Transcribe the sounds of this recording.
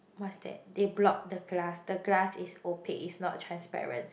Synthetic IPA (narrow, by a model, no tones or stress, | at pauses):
masdɛ̰deblɔk̚dəɡlasdəɡlasisopʰeʔisnɔ̰tːʰɹãnspɛ̰ɹə̰̃nt